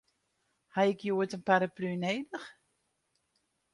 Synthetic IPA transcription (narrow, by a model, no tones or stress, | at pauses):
haɪkjuətənpaɾaplyneːdəχ